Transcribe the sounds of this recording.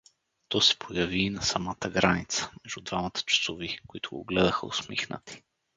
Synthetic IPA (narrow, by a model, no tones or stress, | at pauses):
t̪ɔsɛ̥pʰojɐviːnɐsɐmat̪əɡɾanit̪sə̥mɛʒd̪ud̪vamət̪ə̥t͡ʃɐ̥sovikoit̪ʰʊɡo̰ɡlɛd̪əxə̰ʊ̰smixnə̰t̪i̥